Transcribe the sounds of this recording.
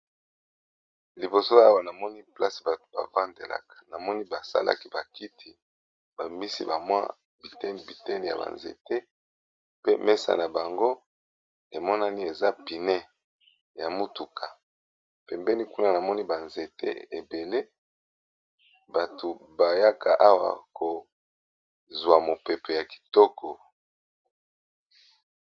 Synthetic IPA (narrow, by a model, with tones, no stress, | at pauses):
li˨bo˨so˦a˦wa˦na˨mɔ˦ni˦pla˦si̥˨ba˨to̥˨ba̰˨va˦nde˨la̰˨kḁ˨na˨mɔ˦ni˦ba˨sa̰˦lʔa̰˦ki˦ba˨ki˦tʰi˨ | b̥a˨mi˦sḭ˦ba˨mwa̰˦ | bi˨tɛ˦n˨bi˨tɛ˦ni˨ja̰˨ba̰˨nzḛ˨te˦ | pe˦me˦sa̰˨na˨ba˨ŋɡo˦ | e˨mɔ˦na˦ni˦e˨za˦pi˨nɛ˦ | ja˨mu˦tu˨kʰa˨ | pɛ˨mbɛ˦ni˦ku˦na˦na˨mɔ˦ni˦ba˨nze˨tḛ˦e˨be˨le˦ | ba˨to˨ba˨ja˦kʰa˨ʔa˦wa̰˨ko˨ | zwa˨mo˨pɛ˨pe˨ja˨ki̥˨tɔ˦kʰɔ˨